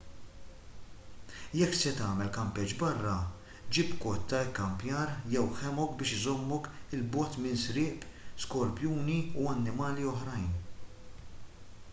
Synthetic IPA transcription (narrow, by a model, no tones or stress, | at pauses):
jɛkːsɛt̪ɐːmɛlkɐmpɛd͡ʒbɐrːɐ | d͡ʒɪpkɔt̪ːɐkːɐmpjɐːɾjɛwħɛmɔk̚bɪːʃɪzɔmːɔkɪlbɔːt̪mɪnsɾɪːpskɔɾpjuːniuɐnːɪmɐːliɔħɾɐjn